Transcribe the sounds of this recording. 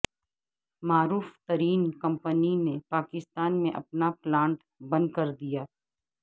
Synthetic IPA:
maːɾuːft̪ɐɾiːnkɐ̃mpəninepaːkɪst̪aːnmẽʔɐ̰pnaplãːɳʈ | bɐ̃nd̪̚kɐɾd̪ijaː

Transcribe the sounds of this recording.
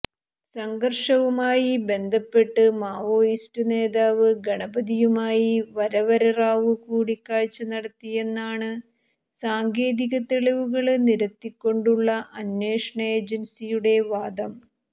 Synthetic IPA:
sɐŋɡɐrʂɐʋumaːjibe̞nd̪ʱɐpːe̞ʈːɨmaːʋo̞ːjistɨne̞ːðaːʋɨɡɐɳɐbɐd̪ijumaːjiʋɐɾɐʋɐɾɐraːʋɨkuːɽikːaːɻt͡ɕːɨnɐɽɐt̪ːije̞nːaːɳɨ | saːŋɡe̞ːðiɣɐt̪ːeɭɐʋuɣɐɭniɾɐt̪ːikʲːo̞ɳɖuɭːɐʔɐnːe̞ːʂɐɳɐe̞ːd͡ʑɐnsijuɽe̞ʋaːd̪ɐm

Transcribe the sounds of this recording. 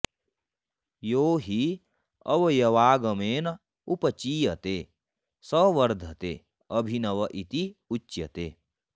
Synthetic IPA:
joːɦi | ɐ̰ʋjɐʋaːɡəmeːn | upət͡ʃiːjɐt̪e | səʋɐɾd̪ʱɐt̪ḛ | ɐbʱinɐʋɐʔit̪iut͡ʃːjɐ̰t̪ḛː

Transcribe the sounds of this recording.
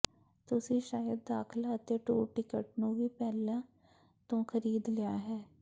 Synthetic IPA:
t̪ʊsĩːʃaːjəd̪̚ːaːkʰɪlaːət̪eːʈuːʈɪkəʈ̚nũːʋiːpɛːlãː | t̪õːkʰəɾiːd̪lɪjaːɦɛː

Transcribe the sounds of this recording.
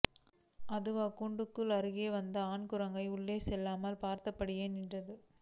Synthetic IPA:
ɐðɯʋɐkːuːɳɖɯkːɯlɐɾɯɣeːʋɐnd̪ɐaːnkʊɾɐŋɡɐɪʊɭːeːsɛlːaːmɐlpaːɾt̪ɐpːɐɽɪjeːnɪnrɐðɯ

